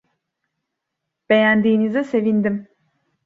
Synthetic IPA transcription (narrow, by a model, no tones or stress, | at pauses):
b̥e̞jænd̪iːnizɛse̞vind̪im